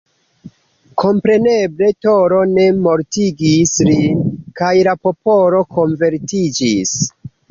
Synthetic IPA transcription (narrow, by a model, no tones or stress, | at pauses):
kʰo̞mpɾe̞ne̞ble̞to̞ɾo̞ne̞mo̞ɾtiɡislinkajlapo̞po̞lo̞ko̞nve̞ɾtid͡ʒis